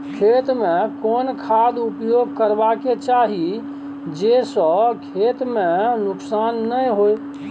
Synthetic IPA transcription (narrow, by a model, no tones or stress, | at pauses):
kʰet̪mẽkonkʰad̪upjoɡʱkəɾbaket͡ʃaɦi | d͡ʒesɔ̃kʰet̪mẽnʊksanːəjɦoj